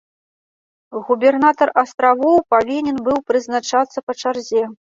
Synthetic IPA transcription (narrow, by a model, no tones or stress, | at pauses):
ɣubʲɛrnat̪ɐrɐst̪ɾavɔwpavʲinʲɛnbɨwpɾɨznat͡ʂat̪sːɐpɐt͡ʂarzʲɛ